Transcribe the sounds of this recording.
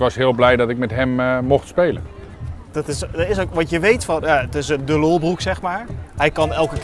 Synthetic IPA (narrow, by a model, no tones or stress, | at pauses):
ʋɑsɦɪːlˠblɛjdɑtɪk̚mɛtɦɛmmɔχtspejlə̰n | d̥ɑtɪsdəɹɪsokʋɑtjəʋejtfɑnjatɪsəndəlolˠbruksɛχmaːɹɦɛjkɑnɛlˠkə